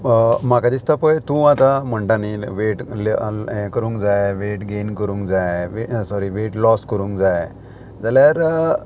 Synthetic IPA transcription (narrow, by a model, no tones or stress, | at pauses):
makad̪ist̪apəjt̪ũat̪am̤əɳʈaniʋeʈlẽkəɾũŋkd͡zajʋeʈɡenkəɾũːŋkd͡zajʋesɔɾiʋeʈlɔskəɾũːŋkd͡zaj | d͡zaljaɾ